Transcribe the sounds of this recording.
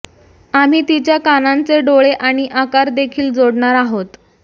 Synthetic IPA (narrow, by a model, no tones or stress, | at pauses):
am̤iːt̪it͡ɕjakanant͡seɖoɭeʔaɽ̃iʔakaɾd̪ekʰiːld͡zoɽɳaɾaɦot̪